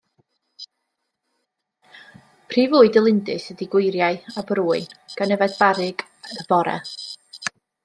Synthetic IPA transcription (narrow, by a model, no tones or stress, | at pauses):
pʰriːvuːɨdəlˠɪndɨsədiɡwʊjɾjaɨabɾuːɨnɡ̥anəvadbaɾɪɡ | əvɔɾɛ̰